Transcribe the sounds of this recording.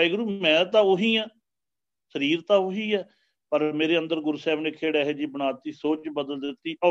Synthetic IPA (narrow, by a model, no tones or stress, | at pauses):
iːɡɾuːmɛ̃ːt̪ãːoɦiːɛː | səɾiːɾt̪ãːʊɦiːɛː | pəɾmeːɾeːənd̪əɾɡʊɾuːsɛːbneːkʰeːɽaːɦeːd͡ʒiːbəɽaːt̪iːsoːt͡ʃbəd̪əld̪ɪt̪ːiːʔɔː